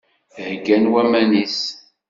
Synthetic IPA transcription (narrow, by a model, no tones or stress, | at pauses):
θhɡænwæmænis